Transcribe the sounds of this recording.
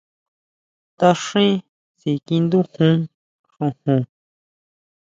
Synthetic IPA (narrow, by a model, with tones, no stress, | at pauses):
t̪a˧ʂĩ˦ | si˨kĩ˧nd̪ũ˦hũ˦ | ʂũ˧hũ˨˧˨